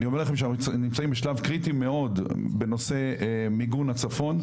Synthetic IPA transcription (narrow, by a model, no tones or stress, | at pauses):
nio̞melaχe̞mʃenimt͡saimbeʃlavkʁit̪imeo̞dbe̞no̞se̞miɡunhat͡safo̞n